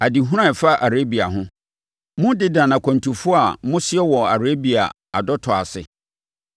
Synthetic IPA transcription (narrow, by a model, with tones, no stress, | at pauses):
a˨di˨ɦũ˦ɾã˦˨fa˦ʔa˨ɾe˦bi˨a˨ɦʊ̃˦ | mʊ̃˦dɪ˦dã˨nã˨kʰɔ̃˨n˨tʰu˨fʊ˦a˨mʊ̃˦sɪ˦ɛ˦wɔ˨a˨ɾe˦bi˨a̰˨ | a̰˨dɔ˦tʰɔ˨a˨sɪ̰˨